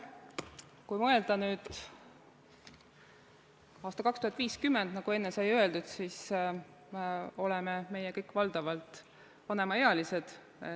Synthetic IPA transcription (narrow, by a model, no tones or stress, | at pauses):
kujmɤeld̪̥ɑnyːd̪̥ | ɑːst̪ɑkɑkst̪uhɑt̪ːˑviːskymːend̪̥nɑɡ̥ue̞nːesɑjøe̞ld̪̥ud̪̥siːs | meo̞lɛmeme̞jɛkɤjkːvɑld̪̥ɑvɑlt̪ˑ | vɑne̞mɑeɑlise̞d̪̥